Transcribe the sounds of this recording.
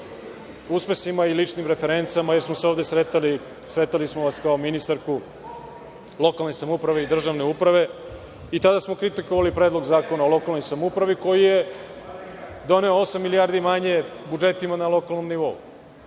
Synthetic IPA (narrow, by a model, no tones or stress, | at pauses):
uspesimailit͡ʃnimɾefeɾe̞nt̪samajeɾsmoseoʋd̪esɾet̪ali | sɾe̞t̪alismoʋaskaominist̪aɾku | lˠo̞kalˠne̞jsamupɾaʋeid̪r̩ʒaʋne̞upɾaʋe̞ | it̪ad̪asmo̞kɾit̪ikoʋalipɾed̪lˠo̞ɡzaːkonaolˠo̞kalno̞jsamupɾaʋiko̞jije | d̪o̞ne̞oosamːilijaɾd̪imaɲe̞bud͡ʒe̞t̪imanalo̞kalˠno̞mniʋo̞ṵ